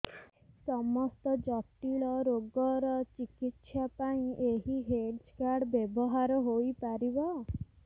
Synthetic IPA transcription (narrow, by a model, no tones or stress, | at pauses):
sɔmɔst̪ɔd͡ʒɔp̚ʈiɭɔɾoɡɔɾɔt͡ʃikit̪ʃapãĩʔeɦiɦeɖd͡ʒkaɾɖbjebɔɦaɾɔɦojpaɾibɔ